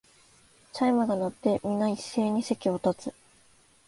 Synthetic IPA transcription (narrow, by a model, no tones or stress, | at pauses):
taimɯɡanot̪ːe̞mʲinaisːe̞ːɲ̟ise̞kʲio̞t̪at͡sɨ